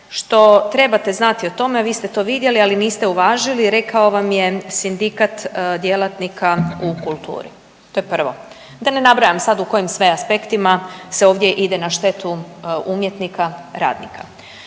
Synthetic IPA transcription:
ʃt̪o̞t̪ɾe̞bat̪e̞znat̪io̞t̪o̞meaʋiːst̪e̞t̪o̞ːʋid̪je̞lialiniːst̪e̞uʋaːʒiliɾe̞kao̞ʋamjesind̪ikat̪d̪je̞lˠat̪nikʰaukulˠt̪ṵːɾḭ | t̪o̞jepr̩ʋo̞̰ | d̪ane̞nabɾajamsad̪uko̞jimsʋeaspe̞kt̪imase̞o̞ːʋd̪je̞ʔid̪e̞naʃt̪e̞t̪uumje̞t̪nikaɾa̰ːd̪nḭka̰

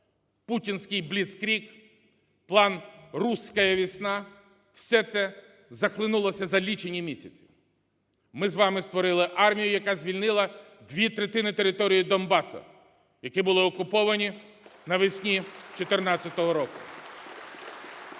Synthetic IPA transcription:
putʲinsʲkɪjblʲit̪skɾʲik | plˠɑnrusʲkɐjɐʋʲisnɑ | w̥sʲɛt̪sɛ | zɐxlˠɪnulˠɐsʲɐzɐlʲit͡ʃenʲːimʲisʲɐt͡sʲi̥ | mɪzʋɑmɪst̪ʋɔɾɪlˠɪʔɑrmʲijʊjɐkɑzʲʋʲilʲnɪlˠɐ | d̪ʲʋʲit̪ɾet̪ɪnɪt̪eɾɪt̪ɔɾʲijid̪ɔnbɑsɐ̰ | jɐkɪbʊlˠɪɔkʊpɔʋɐnʲi | nɐʋɪsʲnʲit͡ʃɔt̪ernɑt͡sʲɐt̪ɔɦɔɾɔkʊ

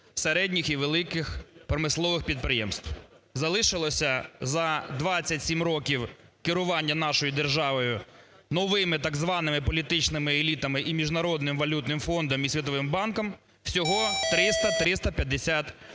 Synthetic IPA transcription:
seɾɛdʲnʲixiʋelˠɪkɪxpɾɔmɪslˠɔʋɪxpʲid̪̚pɾɪjɛ̰mst̪w | zɐlˠɪʃɪlˠɔsʲɐzɐd̪ʋɑt͡st͡sʲːɐtʲsʲimɾɔkʲiw | kɪɾʊʋɑnʲːɐnɑʃɔjid̪erʒɑʋɔjʊ | nɔʋɪmɪt̪ɑɡzʋɑnɪmɪpɔlʲit̪ɪt͡ʃnɪmɪelʲit̪ɐmɪʔimʲiʒnɐɾɔd̪nɪmʋɐlʲut̪nɪmfɔnd̪ɔmisʲʋʲit̪ɔʋɪmbɑnkɔm | w̥sʲɔɦɔt̪ɾɪst̪ɐt̪ɾɪst̪ɐpʲjɐd̪esʲat̪

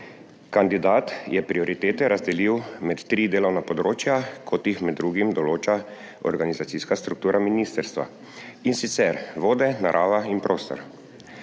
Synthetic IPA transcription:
kand̪id̪aːt̪jɛpɾiɔɾit̪eːt̪ɛɾʔazd̪ɛliwmɛt̪ːɾiːd̪eːlɔwnapɔd̪ɾoːt͡ʃjakʰɔt̪jixmɛd̪ːɾuːɡimd̪ɔloːt͡ʃa | ɔ̰ɾɡanizat̪siskast̪ɾuk̚t̪uːɾʔaminist̪ɛɾst̪ʋa̰ | insit̪sɛɾʋoːd̪ɛnaɾʔaːʋainpɾʔoːst̪ɔ̰ɾ

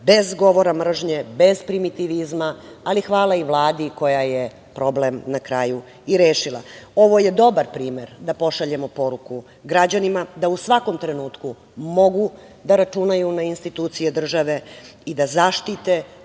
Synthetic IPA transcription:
be̞zɡo̞ʋo̞ɾamr̩ʒɲebe̞zpɾimit̪iʋizmaːlixʋaːlˠaiʋlˠaːd̪iko̞jaje | pɾo̞blemnakɾaːju | iɾeːʃilˠa̰o̞ʋo̞je̞d̪o̞baɾpɾiːmeɾd̪apo̞ʃaʎe̞mo̞po̞ɾuku | ɡɾad͡ʑanimad̪ausʋako̞mt̪ɾenuːt̪ku | mo̞ɡu | d̪aɾat͡ʃunajunainst̪it̪uːt̪sijed̪r̩ʒaʋe̞id̪azaːʃt̪it̪e

